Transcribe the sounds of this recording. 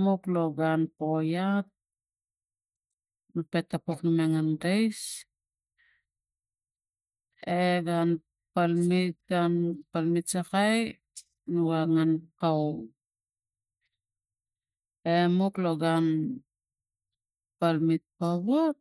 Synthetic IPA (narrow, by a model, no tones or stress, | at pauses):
mokloɡanpojat̚ | nupe̞tːapoknumeŋandejs | eɡan | palmit̚ɡanpalmitsakaj | nuɡaŋankaw | emokloɡan | palmit̚paβot̚